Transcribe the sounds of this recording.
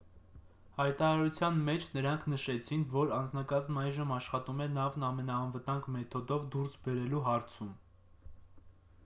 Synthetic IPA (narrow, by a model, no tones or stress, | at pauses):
hɑjt̪ɑɾɑɾut͡sʰjɑnmɛt͡ʃʰnəɾɑŋkʰnəʃɛt͡sʰinvɔɾɑnd͡znɑkɑzmɑjʒəmɑʃχɑt̪umɛnɑvnɑmɛnɑːnvət̪ɑŋɡmɛt̪ʰɔd̪ɔvd̪uɾsbɛɾɛluɦɑɾt͡sʰum